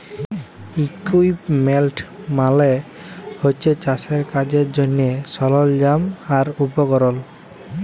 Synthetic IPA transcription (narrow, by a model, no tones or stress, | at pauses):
ikuipmɛlʈʰmale | hojt͡ʃʰet͡ɕaseɾkad͡ʑeɾd͡ʑonːiesɔlɔld͡ʑamaɾupɔɡɔɾɔl